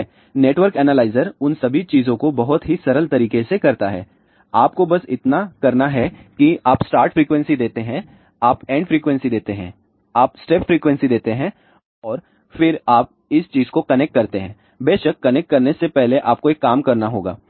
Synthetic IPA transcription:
neːʈwəɾkɛːnaːlaːɪzəɾʊnsɐbʱit͡ʃiːzõkobɐɦʊt̪ɦisɐɾəlt̪ɐɾiːkesekɐɾt̪aɦɛ̰ː | aːp̚kobɐsɪ̰t̪nakɐɾnaɦɛkiaːpsʈaːɾʈfɾiːkwɛ̃nsid̪eːt̪eɦɛ̃ | aːpɛ̃ːɳɖfɾiːkwɛ̃nsid̪eːt̪eɦɛ̰̃ | aːpsʈeːpfɾiːkwɛ̃nsid̪eːt̪eɦɛ̃ | ɔːɾ | fɪɾaːp̚ | ɪst͡ʃiːzkokɐnɛk̚ʈ̚kɐɾt̪eɦɛ̰̃ː | beːʃəkːɐnɛk̚ʈ̚kɐɾnesepɛɦleʔaːp̚koeːkːaːmkɐɾnaɦo̰ːɡa̰ː

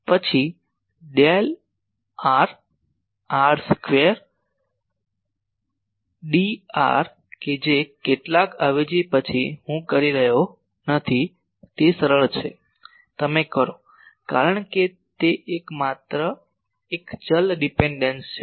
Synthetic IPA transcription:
pət͡ʃʰi | ɖel | aɾ | aɾskʋeəɾ | ɖia̰ɾ | ked͡ʒekeʈlakaʋed͡ʒipət͡ʃʰiɦũkəɾiɾəɦjo | nət̪ʰi | t̪esəɾəɭt͡ʃʰe | t̪əmekəɾo | kaɾəɳke | t̪eʔekmat̪ɾə | ekd͡ʒəlɖipeɳɖənst͡ʃʰe

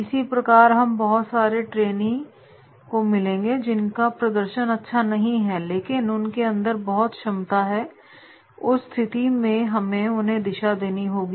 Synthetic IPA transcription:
ɪsipɾɐkaːɾɦɐmbɐɦʊt̪saːɾeʈɾeːnĩ | komɪlẽːŋɡed͡ʒɪnkapɾɐd̪əɾʃənɐtːʃʰanɐɦĩɦɛleːkɪnʊnkeɐ̃nd̪əɾbɐɦɔt̪ʃɐmt̪aɦɛ | ʊsst̪ʰɪt̪imẽɦɐmẽʊnɦẽd̪ɪʃad̪eːniɦoːɡiː

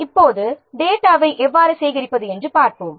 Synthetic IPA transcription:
ɪpːoːðɯd̪eːʈːaːʋɐɪʔɛʋːaːɾɯsɛjɣɪɾɪpːɐðɯɛndrɯpaːɾpoːm

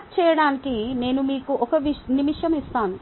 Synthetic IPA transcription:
t͡ʃɛːjɐɽaːnikine̞ːnumiːkuʔɔkɐʋinimiʂjɐmist̪aːnu

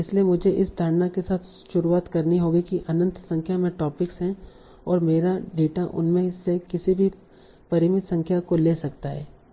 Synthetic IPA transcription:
ɪsliemʊd͡ʒʱeʔɪsd̪ʱaɽnakesaːt̪ʰ | ʃʊɾuaːt̪kɐɾniɦoːɡikiʔɐnə̃nt̪sɐ̃ŋkʰjamẽʈɔːpɪksɦɛ̃ | ɔːɾmeːɾaɖeːʈaʔʊ̰nmẽsekɪsibʱi | pɐɾɪmɪt̪sɐ̃ŋkʰjakoleːsɐkt̪aɦɛ̰ː

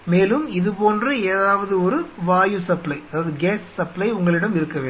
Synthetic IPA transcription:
meːlɯmɪðɯpoːndrɐeːðaːʋɐðɯɔɾɯʋaːjusɐplɐɪɐðaːɐðɯɡeːssɐplɐɪʊŋɡɐɭɪɽɐmɪɾɯkːɐʋeː

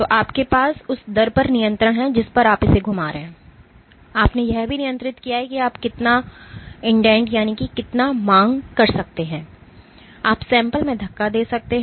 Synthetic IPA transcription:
t̪oːʔaːpkepaːsʊsd̪ɐɾpɐɾnɪjə̃nt̪ɾəɦɛ̃d͡ʒɪspɐɾaːpɪseɡʱʊmaːɾeɦɛ̃ː | aːpnejɛɦbʱinɪjə̃nt̪ɾɪt̪kijaɦɛkiaːpkɪt̪na | ɪ̃ɳɖɛ̃ːɳʈjaːnikikɪt̪namãːŋɡkɐɾsɐk̚t̪eɦɛ̃ː | aːpsɛ̃ːmpəlmẽd̪ʱɐkːad̪eːsɐk̚t̪eɦ

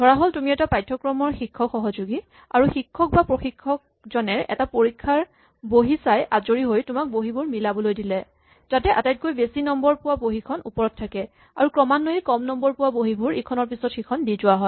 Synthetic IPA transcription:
dʱɔɹaɦoltumiɛtapajtʰːɔkɹɔmɔɹxikʰːɔkxɔɦɔzuɡi | aɹuxikʰːɔk̚bapɹoxikʰːɔk̚ | zɔnɛɹɛ̰tapoɹikʰːaɹ | boɦisajʔazoɹiɦojtʊmak̚boɦibʊɹmilabɔlojdilɛ | tatɛʔa̰tajt̚kojbesinɔmbɔɹpʊwaboɦikʰɔnṵpɔɹɔtʰːakɛ | aɹukɹɔmanːoɦikɔmnɔmbɔɹpʊwaboɦibʊɹekʰɔnɔɹpisɔtxikʰɔndizʊwaɦɔ

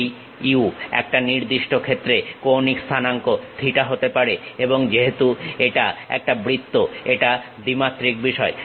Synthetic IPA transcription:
j | iuɛ̰k̚ʈaniɾd̪iʃʈokʰet̪ːɾekownikst̪ʰanaŋkod̪ʱiʈaɦot̪epaɾeeboŋd͡ʑeɦet̪ueʈaɛ̰k̚ʈabɾit̪ːoeʈa | d̪imat̪ːɾik̚biʃɔe

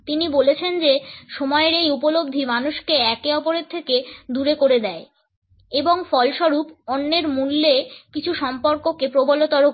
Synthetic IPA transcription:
t̪inibolet͡ɕʰend͡ʑeʃomɔeɾejupolob̚d̪ʱimanuʃkeɛkeɔpoɾeɾt̪ʰːeked̪uɾekoɾed̪ɛe | eboŋfɔlʃɔɾupɔnːeɾmulːekit͡ɕʰuʃɔmpoɾkokepɾobolot̪ɔɾo

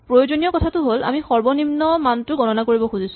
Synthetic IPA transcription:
pɹojozonijɔkɔtʰatʊɦola̰mixɔɹbɔnimnɔmantʊɡɔnɔnakoɹibɔxuzisʊ̥̃

